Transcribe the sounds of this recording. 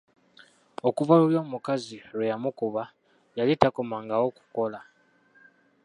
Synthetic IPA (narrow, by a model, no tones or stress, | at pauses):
o̞kuvaluljo̞ːmukaziɾwejamukuβa | jalitakomaːŋɡawo̞ku̥ko̞la